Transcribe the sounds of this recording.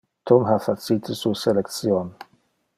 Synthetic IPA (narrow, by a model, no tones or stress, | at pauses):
t̪ʰɔmɦafasit̪əsusɛlɛktsjɔn